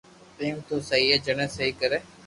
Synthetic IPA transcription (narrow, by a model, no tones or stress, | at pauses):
piːmt̪oːsəɦiɛːd͡ʒəɽ̃ẽːsəɦiːkəɾeː